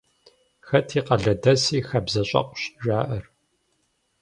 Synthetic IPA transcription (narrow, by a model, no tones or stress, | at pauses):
xɐtʰiːqɐɮɐdɐsiːxɐbzɐɕʼɐ̰qʷɕʒaːʔɐr